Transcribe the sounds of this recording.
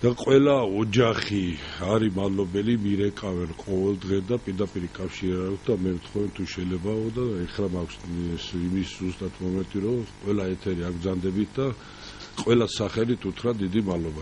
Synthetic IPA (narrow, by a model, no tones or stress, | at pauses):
d̪̥aqʼwɛlaɔd͡ʒaχiaɾimad̪lɔbɛlimiɾɛkʼavɛnqʼɔvɛld̪ʁɛd̪apʼiɾd̪apʼiɾikʼafʃiɾaɾaksd̪amɛvt̪ʰχɔvɛnt̪ʰuʃɛjlɛbaɔd̪aɛχɾamakʷʰssimiszust̪ʼat̪ʰmɔmɛnt̪ʼiɾɔqʼwɛlaɛt̪ʰɛɾiakb̪zand̪ɛbit̪̚ʰd̪a | qʼwɛlasaχɛlit̪ʰut̪ʰɾad̪id̪imalɔba